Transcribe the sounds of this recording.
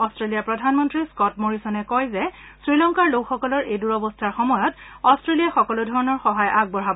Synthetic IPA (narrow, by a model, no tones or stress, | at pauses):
ɔstɹelijapɹɔdʱanmɔntɹiskɔtmoɹisɔnɛkɔjzɛsɹilɔŋkaɹlokxɔkɔlɔɹʔejduɹɔbɔstʰaɹxɔmɔjɔtɔstɹelijaxɔkɔlʊdʱɔɹɔnɔɹxɔɦajʔaɡ̚bɔɹabɔ